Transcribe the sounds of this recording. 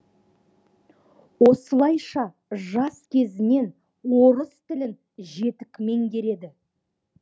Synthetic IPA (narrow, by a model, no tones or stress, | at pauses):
wo̞səlˠɑjʃɑ | ʒɑskʲʰe̞zɪne̞n | wo̞ɾəst̪ɪlɪn | ʒe̞t̪ɪkʲme̞ŋɡʲe̞ɾe̞d̪ɪ